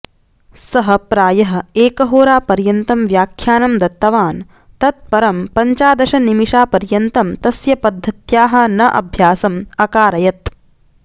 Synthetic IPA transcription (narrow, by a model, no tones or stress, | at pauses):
sɐɦɐpɾaːjɐɦɐ̆eːkɐɦoːɾaːpɐɾjɐnt̪ɐmʋjaːkʰjaːnɐmd̪ɐt̪ːɐʋaːn | t̪ɐt̪̚pɐɾɐmpɐɲt͡ʃaːd̪ɐʃɐnimiʃaːpɐɾjɐnt̪ɐmt̪ɐsjɐpɐd̪ʱːɐt̪jaːɦɐ̆nɐʔɐ̰bʱjaːsɐmɐkaːɾɐjɐt̪